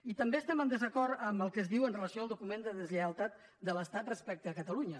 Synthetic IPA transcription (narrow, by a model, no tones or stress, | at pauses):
it̪əmbeəst̪ɛmənd̪əzəkɔɾt̪əməlˠkəzðiwənrələsijoəlˠukumend̪əðəzləəlˠt̪at̪̚ | d̪ələst̪at̪̚rəspɛk̚t̪əːkət̪əluɲə